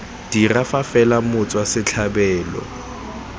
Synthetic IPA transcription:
d̥irafafɛlamʊt͡sʼwasɪt͡ɬʰabɛːlɔ̰

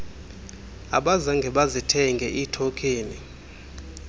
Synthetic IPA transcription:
a̰ɓazaŋɡʱɛɓazitʰɛŋɡʱɛʔitʰokʰʼeːni

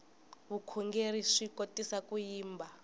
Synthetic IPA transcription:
βukʰuŋɡeɾiʂikotisakujiːmbʱa

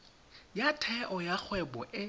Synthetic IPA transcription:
jatʰɛʔɔjak͡xʰwɛbɔʔɪ

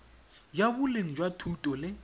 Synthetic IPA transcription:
jabʊleŋ̩d͡ʒwatʰutʼɔlɪ

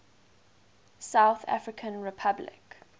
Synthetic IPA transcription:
saʊθa̰fɹɪkʰə̃nɹɪpʰablɪ̰k

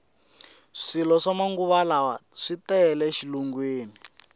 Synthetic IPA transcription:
ʂilɔʂamaŋɡuβalawaʂitɛɛlɛʃiluŋɡweːni

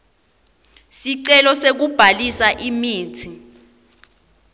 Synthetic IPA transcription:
siǀɛlɔsek̬ub̥ʱalisaʔimiːtʰi

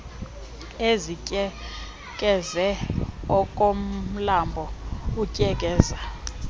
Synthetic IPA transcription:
ezicʼɛ | kʼɛzɛɔkʼom̩lambʱɔucʼɛkʼɛːza

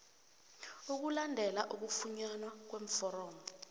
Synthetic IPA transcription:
uk̬ulandʱɛlaʔuk̬ufuɲanwak̬weɱ̩fɔrɔːmɔ

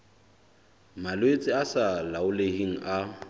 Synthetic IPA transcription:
malwet͡sʼɪasalaʊlehiŋ̩ʔa

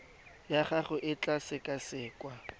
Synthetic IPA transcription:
jaχaχʊʔɪt͡ɬʼasɪkʼasɪːkʼwa

